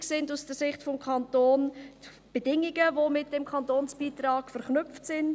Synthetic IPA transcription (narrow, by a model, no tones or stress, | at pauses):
ksɪndusd̥əsɪχtfɔmkʰɑntoːn | b̥edɪŋiɡəvomɪt̚d̥ɛmkʰɑntoːnsb̥iːtraːɡ̥fəɾχnʏpftsɪnd